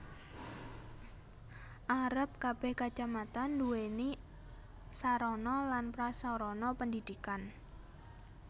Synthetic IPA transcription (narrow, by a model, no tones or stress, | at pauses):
ʔaɾəp̚kab̥ɛhkḁd͡ʒ̥amat̪anduweni | saɾɔnɔlanpɾasɔɾɔnɔpəndid̪̥ikan